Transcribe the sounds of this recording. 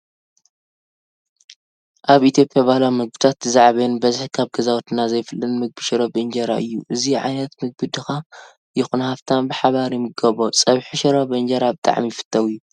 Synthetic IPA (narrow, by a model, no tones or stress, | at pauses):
ʔaβit̪ʰijo̞pʼjaβahlawmɨɡ̚bɨt̪ʰat̪ːɨzaʕβenbɐzɨħkʰaβɡɐzawt̪ʰɨnazɐjfɨlːɨnmɨɡ̚bɨʃɪɾobɨnd͡ʒɐɾa̰ʔɨjːuʔɨziʕa̰jnɐt̪mɨɡ̚bɨd̪ɨxa | jɪxunhaft̪ʰabɨħaβaɾimɨɡɐβosʼɐβħiʃɐɾobɨnd͡ʒɐɾabɨt̪ʼa̰ʕmifɨ̥t̪ʼʰːɐwɨjːu